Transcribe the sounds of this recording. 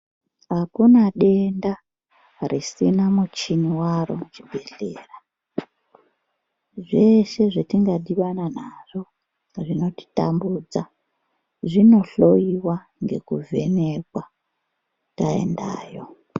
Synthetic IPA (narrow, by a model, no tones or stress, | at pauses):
ɦakunaɗe̞nda | risinamut͡ʃiniwaro̞̰t͡ʃibʱe̞ɮe̞ːra | ʐe̞ʃe̞ʐetiŋɡaɗiʋananaʐo̞ | ʐino̞ti̥ta̰mbud͡za | ʐino̞ɬo̞iwa | ŋɡe̞̰kuvʱe̞ne̞kwa | tae̞̰ndaːjo̞